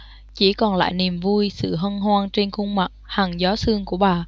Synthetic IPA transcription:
t͡ɕi˧˩kɔ˨˩nla̰ː˧˨jni˨˩mvu˧jsɨ̰˧˨ɦə˧nɦwaː˧ŋt͡ɕe˧nxʊ˧ŋ͡mma˨˩t̚ha˨˩ŋzɔ˨˦sɨ˧əŋku˧˩əɓaː˨˩

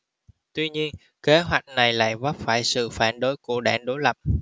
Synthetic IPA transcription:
t̪wi˧ɲi˧ən | ke˨˦ɦwa˨˩jk̟̚na˨˩jla̰ː˧˨jvə˦˥p̚faː˧˩jsɨ̰˧˨faː˧˩nɗo˨˦jku˧˩əɗaː˧˩nɗo˨˦jlə˨˩p̚

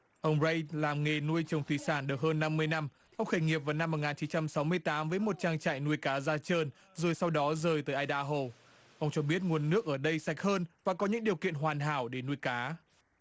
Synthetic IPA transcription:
ʔə˧wŋ͡mzə˧jt̚laː˨˩mŋe˨˩nu˧əjt͡ɕə˨˩wŋ͡mt̪wi˨˩saː˧˩nɗɨ˨˩k̚həː˧nːa˧mːɨ˧əjna˧m | ʔə˧wŋ͡mxə˧˩ŋi˨˩əp̚vaː˨˩wna˧mː˨˩t̚ŋaː˨˩t͡ɕi˨˦nt͡ɕa˧msa˨˦wmɨ˧əjt̪aː˨˦mvəː˨˦jmo˨˩t̚t͡ɕaː˧ŋt͡ɕa̰ː˧˨jnu˧əjkaː˨˦zaː˧t͡ɕəː˧n | zo˨˩jsa˧wɗɔ˨˦zəː˨˩jt̪əː˨˦ʔːjɗaː˧ɦo˧˩ | ʔə˧wŋ͡mt͡ɕɔ˧ɓi˦˥ət̚ŋu˨˩ənːɨ˦˥ək̚ʔəː˧˩ɗə˧jsa˨˩jk̚həː˧nvaː˨˩kɔ˨˦ɲɨ̰˧˥ŋɗi˨˩əwkḭ˧˨ənɦwaː˨˩nɦa̰ː˧˩wɗe˧˩nu˧əjkaː˨˦

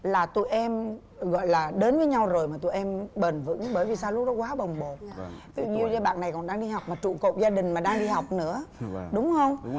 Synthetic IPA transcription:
laː˨˩t̪ṵ˧˨jʔɛ˧m | ɣɔ̰˧˨jlaː˨˩ɗe˨˦nvəː˨˦jɲa˧wzo˨˩jmaː˨˩t̪ṵ˧˨ʔɛ˧mɓə˨˩nvɨ̰˧˥ŋɓəː˧˩jvi˨˩saː˧wlʊ˦˥k͡p̚ɗɔ˨˦kwaː˨˦ɓə˨˩wŋ͡mɓo˨˩t̚ɲ˧t̪ḭ˧˩ɲi˧əwzɔ˧ɓa̰ː˧˨nːa˨˩jkɔ˨˩nɗaː˧ŋɗi˧ha˨˩wk͡p̚maː˨˩t͡ɕṵ˧˨ko̰˧˨p̚zaː˧ɗï˨˩ŋ̟maː˨˩ɗaː˧ŋɗi˧ha˨˩wk͡p̚nɨ̰˧˥əɗʊ˨˦ŋ͡mhə˧wŋ͡m

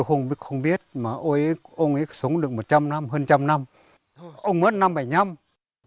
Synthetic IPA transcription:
wxə˧wŋ͡mɓxə˧wŋ͡mɓi˦˥ət̚maː˨˩ʔo˧jʔe˨˦ʔə˧wŋ͡mʔe˨˦sə˨˦wŋ͡mɗɨ˨˩ək̚mo˨˩t̚t͡ɕa˧mna˧mɦəː˧nt͡ɕa˧mna˧m | ʔʔə˧wŋ͡mmə˦˥t̚na˧mɓa˧˩jɲa˧m

